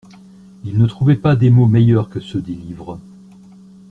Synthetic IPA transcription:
ilnət̪χuvɛpad̪emomɛjœʁkəsød̪elivʁə

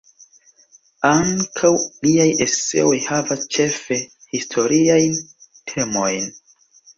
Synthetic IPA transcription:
aŋkʰawliajʔesḛo̞jhavast͡ʃe̞fe̞ | histʰo̞ɾiajn | tʰe̞mo̞jn

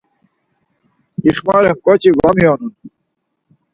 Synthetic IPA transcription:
iχmɑɾemkot͡ɕiɡamijonun

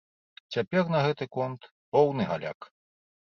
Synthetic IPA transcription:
t͡sʲapʲɛrnɐɣɛt̪ɨkɔnt̪ | pɔwnɨɣa̰lʲa̰k

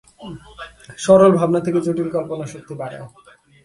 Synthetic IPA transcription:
ʃɔɾolbʱabnat̪ʰeket͡ɕoʈilkɔmponaʃok̚t̪ibaɽa̰

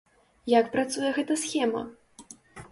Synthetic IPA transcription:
jakpɾat̪sujɛɣɛt̪ɐsxʲɛmɐ̰

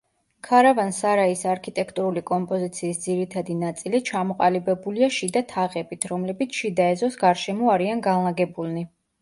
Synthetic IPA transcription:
kʰaɾavansaɾaisaɾkʰit̪ʼɛkʰt̪ʼuɾulikʼɔmpʼɔzit̪sʰiːsd̪z̥iɾit̪ʰad̪inat̪sʼilit͡ʃʰamɔqʼalibɛbuliaʃid̪at̪ʰaʁɛbit̪ʰɾɔmlɛbit̪sʰʃid̪aɛzɔsɡaɾʃɛmɔaɾianɡanlˠaɡɛbulˠni

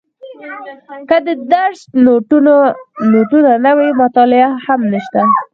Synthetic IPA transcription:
kəd̪əd̪aɾʃt̪noʈ | noʈunanawajmʊt̪ɑlɪahamnəʃt̪a

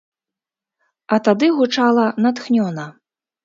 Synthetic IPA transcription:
ɐt̪ad̪ɨɣut͡ʂalˠɐnat̪xnʲɔnɐ

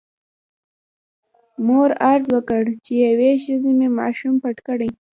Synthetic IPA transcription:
moɾaɾzwəkəɽt͡ʃejaweʃəzememɑ̰ʃumpaʈkəɽaj

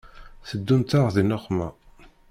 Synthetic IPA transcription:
θəd̪ːunt̪aʁðinoχmæ̰

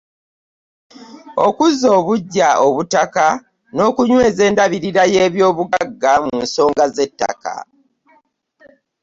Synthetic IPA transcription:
o̞̰kuzo̞ːβuɟːao̞βutaka | no̞ːkuɲwe̞ːze̞ːndaβiɾiɾajeːβjo̞ːβuɡaɡːamunso̞ːŋɡaze̞tːa̰ka̰

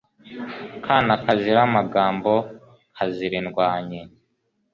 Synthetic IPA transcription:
kʰaːnakaziɾamaɡaːmbo̞ | haziɾinɡwaːɲe

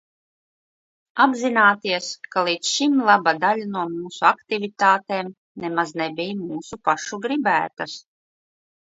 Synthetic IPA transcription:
abzinaːt̪iɛskalˠiːt̪sʃimlˠabad̪alʲanuɔmuːsuakt̪ivʲit̪aːt̪eːm | nɛmaznɛbʲijmuːsupaʃuɡɾibæːt̪as

